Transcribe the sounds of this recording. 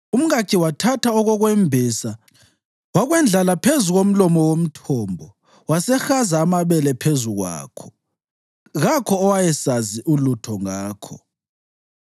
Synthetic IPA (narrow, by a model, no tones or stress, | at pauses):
um̩ɣakʰiwatʰatʰaɔɣɔɣwɛmbʱisa | waɣwɛnd͡ɮʱalapʰezuɣom̩lɔmɔwom̩tʰɔmbʱɔ | wasɛxazaːmaβɛlɛpʰezuɣwa̰ːkʰɔ̥ | ɣakʰɔːwajɛsaziʔulutʰɔŋaːkʰɔ